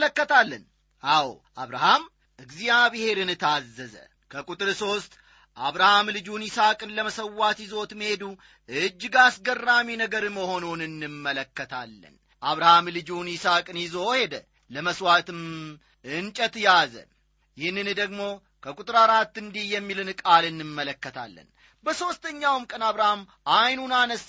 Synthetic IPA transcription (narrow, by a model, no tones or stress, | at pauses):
ləkːət̪alːən | ʔawʔaβɾaham | ʔɨɡzijaβɨhe̞ɾɨnɨt̪ʰazːəzə̰ | kʰəkʼut̪ʼɨɾso̞st̪ʼ | ʔaβɾahamlɨd͡ʒunisakʼɨnləməsəwːat̪jɪzo̞t̪mhe̞d̪u | ɨd͡ʒːɡasɡərːaminəɡəɾməho̞nonɨnːɨmːələkːət̪ʰa̰lːə̰n | ʔaβɾahamlɨd͡ʒunɪsakʼɨnjɪzo̞he̞d̪ə | ləməswat̪ɨm | ʔɨnt͡ʃʼət̪jazə̰ | jɪhnɨnd̪əɡmo̞ | kʰəkʼut̪ʼɨɾaɾat̪ːɨnd̪ihjɛmːilɨnkʼalɨnːɨmːələkːət̪ʰa̰lːə̰n | bəso̞st̪ʰəɲːawmkʼənaβɾaham | ʔajnunanəs